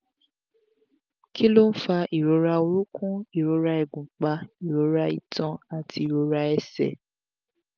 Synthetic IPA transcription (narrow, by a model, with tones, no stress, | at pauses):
ki˦lo˦n̩˦fa˧ʔi˨ɾo˨˧˦ɾa˧o˧ɾu˦kũ˦i˨ɾo˧ɾa˧ɛ˨ɡũ˨k͡pa˧i˨ɾo˨˧˦ɾa˧i˨tʰɔ̃˧a˨tʰi˧i˨ɾo˧ɾa˧ɛ˧˨sɛ̰˨